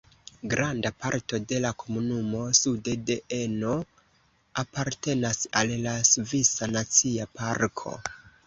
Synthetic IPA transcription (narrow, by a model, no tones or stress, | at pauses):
ɡɾandapaɾto̞de̞lakʰo̞munumo̞sudedeʔeno̞ | apaɾte̞nasallasvisanat͡siapaɾkʰo̞̰